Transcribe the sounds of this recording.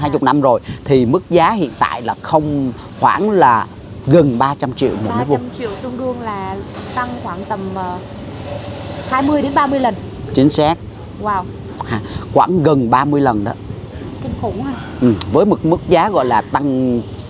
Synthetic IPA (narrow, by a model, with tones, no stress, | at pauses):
ɦaː˧jt͡ɕʊ˨˩k͡p̚na˧mzo˨˩jt̪ʰi˨˩mɨ˦˥k̚zaː˨˦hḭ˧˨ənt̪a̰ː˧˨jlaː˨˩xə˧wŋ͡m | xwaː˧˩nlaː˨˩ | ɣə˨˩nɓaː˧t͡ɕa˧mt͡ɕḭ˧˨əwm˨˧mə˨˦jvʊ˨˩mt͡ɕḭ˧˨əwt̪ʊ˧ŋ͡mɗɨ˧əŋlaː˨˩t̪a˧ŋxwaː˧˩ŋt̪ə˨˩mː˨˩ | haː˧jmɨ˧əjɗe˨˦nɓaː˧mɨ˧əjlə˨˩n | t͡ɕï˨˦ŋ̟sa˦˥k̚ | waː˧˩w | haː˧˨˩xwa̰ː˧˩ŋɣə˨˩nɓaː˧mɨ˧əjlə˨˩nɗɔ̰˨˦ | ki˨˧˩ŋxʊ˨˧˩haː˧ | ʔɨ˨˩vəː˨˦jmo˨˩t̚mɨ˦˥k̚zaː˨˦ɣɔ̰˧˨jlaː˨˩t̪a˧ŋ